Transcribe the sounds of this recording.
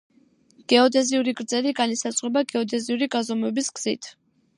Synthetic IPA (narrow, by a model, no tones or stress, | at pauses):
ɡ̥ɛɔd̪ɛziuɾiɡɾd̪zɛɾiɡanisat̪sʼχwɛbaɡɛɔd̪ɛziuɾiɡazɔmwɛbisɡ̥z̥ḭt̪ʰ